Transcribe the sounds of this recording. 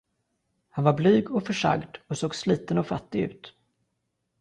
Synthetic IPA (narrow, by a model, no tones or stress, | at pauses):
hanvaɾblyːɡɔfœʂa̰ɡd̪ɔsoːɡsliːt̪ənɔfat̪ːɪɡʉ̟̰ːt̪